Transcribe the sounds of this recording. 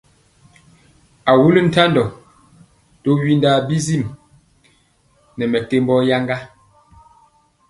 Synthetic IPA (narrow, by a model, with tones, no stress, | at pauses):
a˨wu˦ln̩˦ta˦ndɔ˨ | to˦ɥi˦nda˨˦bi˦zi˦˨m | nɛ˨mɛ˨te˦m˦bɔ˦ja˦ŋɡa˦